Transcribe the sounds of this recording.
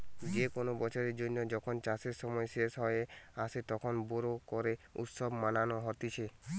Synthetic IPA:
d͡ʑekonobɔt͡ʃʰɔɾeɾd͡ʒonːod͡ʒɔkʰont͡ʃaseɾsɔmɔeʃeʃɦɔeasʰet̪ɔkʰonboɾokɔɾeṵt̪sɔbmananoɦɔɾt̪it͡ɕʰe

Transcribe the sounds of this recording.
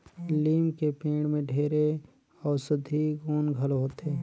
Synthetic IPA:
liːmkepẽːɽmẽɖʱeːɾe | ɔːɾsʊd̪ʱiɡoːnɡʱəlɦoːt̪eː

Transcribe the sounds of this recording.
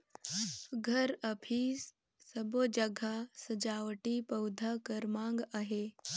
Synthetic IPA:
ɡʱəɾəpʰiːsː | əbod͡ʒəɡʱasəd͡ʒawʈipəwd̪ʱakəɾmãŋɡaɦe

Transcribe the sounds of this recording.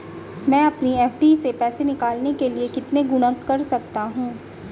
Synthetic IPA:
mɛ̃ːɐpniɛːfʰʈisepɛːsenɪkaːlnekeliekɪt̪neɡʊɽ̃ə̃kːɐɾsɐk̚t̪aɦũː

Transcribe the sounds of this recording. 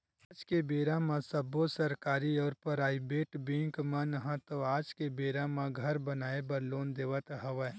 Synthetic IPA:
d͡ʒkebeːɾãmãsəbosɐɾkaːɾiɔːɾpəɾaːibeːʈbĩŋkmɐ̃nɦə̃t̪oaːd͡ʒkebeːɾãmãɡʱɐɾbɐnaːebɐɾloːnd̪eːʋət̪ɦɐʋə

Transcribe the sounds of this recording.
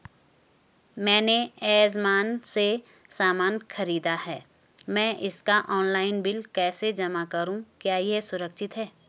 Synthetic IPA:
mɛ̃ːneɛːzmaːnse | saːmaːnxɐɾiːd̪aɦɛː | mɛ̃ʔɪskaʔɔːnlaːɪnbɪlkɛːsed͡ʒɐmakɐɾũkjaːjesʊɾəkʃɪt̪ɦɛː

